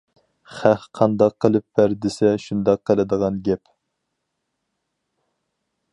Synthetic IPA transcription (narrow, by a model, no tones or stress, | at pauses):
χæhqʰɑnd̪ɑqʰːəlˠɨp̚b̥æɾd̪ɪsɛʃund̪ɑqʰːəlˠɪd̪əʁɑnɡʲɛp